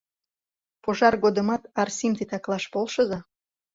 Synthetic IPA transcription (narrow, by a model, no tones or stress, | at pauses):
poʒɑrɣod̪əmɑt̪ɑrsimt̪it̪ɑklɑʃpolʃə̆zɑ